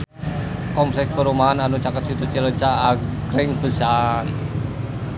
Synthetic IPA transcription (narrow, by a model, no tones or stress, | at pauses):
kɔmsɛk̚pəɾumaananut͡ʃakət̪̚sit̪ut͡ʃələt͡ʃaːɡɾɪŋbəsan